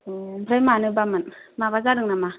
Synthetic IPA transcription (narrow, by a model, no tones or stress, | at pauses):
bʰɾajmanɯbamɯnmabazaɾɯŋnama